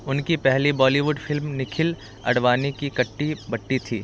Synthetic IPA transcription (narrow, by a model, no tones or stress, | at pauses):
ʊnkipɛɦlibɔːliʋʊɖfɪlmnɪkʰɪl | ɐ̰ɽʋaːnekikɐʈːibɐʈːit̪ʰiː